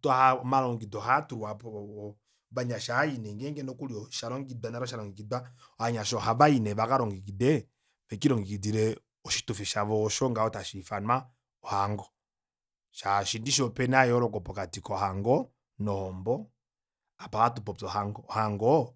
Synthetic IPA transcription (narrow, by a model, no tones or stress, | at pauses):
tahamaɾɔŋɡidɔɦatuɾapɔ | βaɲaʃaainɛŋɡɛŋɡɛnɔkuɾjɔʃaɾɔŋɡidwanaɾɔʃ̬aɾɔŋɡikidwa | ɔhaɲaʃɔhaβainɛβakaɾɔŋɡikidɛ | βɛkiɾɔŋɡikidiɾɛ | ɔʃi̥tufiʃaβɔʃɔŋɡaɔtaʃifana | ɔhaŋɡɔ | ʃaʃindiʃɔpɛnajɔɾɔkɔpɔkatikɔhaŋɡɔ | nɔhɔmbɔ | apahatupɔt͡sɔhaŋɡɔhaŋɡɔ